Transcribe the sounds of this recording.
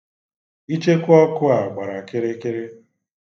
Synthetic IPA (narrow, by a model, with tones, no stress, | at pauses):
i˦t͡ʃe˦kʊ˦ɔ˦kʊ˦a˨ɡ͡ba˨ɾa˨ke˦ɾe˦ke˦ɾe˦